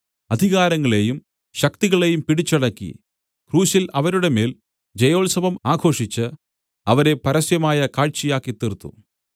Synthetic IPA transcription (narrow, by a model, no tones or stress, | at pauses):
ɐd̪ʱiɣaːɾɐŋːɐɭe̞jum | ɕɐkt̪iɣɐɭe̞jumpiɽit͡ɕːɐɽɐkːḭ | kruːɕilɐʋɐɾuɽe̞me̞ːl | d͡ʑejo̞ːlsɐʋɐmaːɡʰʱo̞ːʂit͡ɕːɨ | ɐʋɐɾe̞pɐɾɐsjɐmaːjɐkaːɻt͡ɕijaːkːit̪ːirt̪ːṵ